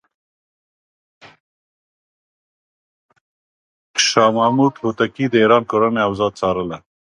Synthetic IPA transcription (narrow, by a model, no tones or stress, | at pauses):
ʃɑmamud̪hot̪akid̪əiɾɑnkoɾaneawzɑd̪̚t͡sɑɾəla